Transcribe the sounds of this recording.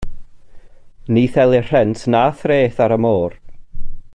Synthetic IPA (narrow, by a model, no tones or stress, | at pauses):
niːθɛlˠɪr̥ɛntʰnaːθreːθaɾəmoːr